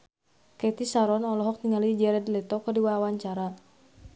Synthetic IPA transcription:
kɛt̪isaɾɔnɔlɔɦɔk̚t̪iŋalid͡ʒɛɾɛdilɛt̪ɔkadiwawaɲt͡ʃaɾa

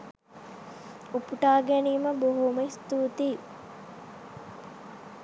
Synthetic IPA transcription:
upuʈaːɡeniːməboɦoməist̪uːt̪iː

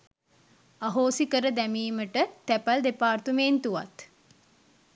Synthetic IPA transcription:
aɦoːsikəɾəd̪æmiːməʈət̪æpald̪epaːrt̪umeːnt̪uʋa̰t̪

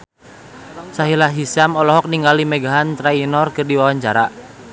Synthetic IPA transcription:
saɦilaɦisamɔlɔɦɔk̚niŋɡalimeɡaɦant̪ɾainɔrkɨrdiwawaɲt͡ʃaɾaʔ

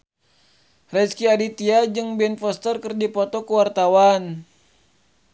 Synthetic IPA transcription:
rɛskiadit̪iad͡ʒɨŋbɛnfɔst̪ərkərdipɔt̪ɔkuwart̪awan

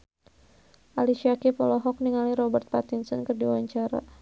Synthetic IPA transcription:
ʔaliʃiakipɔlɔɦɔk̚niŋaliɾɔbɛrt̪̚pat̪insɔnkɨrdiwaɲt͡ʃaɾa̰

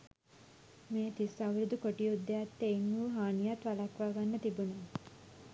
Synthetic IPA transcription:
meːt̪isaʋɾud̪ukoʈiud̪ːeat̪ːeiŋːuːɦaːnijat̪ʋalakʋaːɡanːət̪ibune

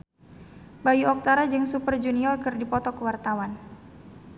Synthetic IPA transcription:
bajuɔk̚t̪aɾad͡ʒɨŋsupərd͡ʒuniɔrkɨrdipɔt̪ɔkəwart̪awan

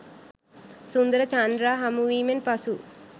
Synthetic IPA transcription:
sund̪ɐɾɐt͡ʃaːnd̪ɾaːɦɐmuʋiːmenpɐsu

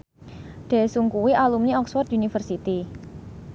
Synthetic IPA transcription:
ɖ̪̥e̤suŋkuwiʔalumniɔkswɔrt̪unifərsit̪i

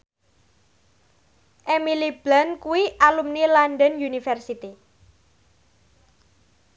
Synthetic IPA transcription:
ʔemilib̥lankuwiʔalumnilanɖənjunifɛrsit̪i

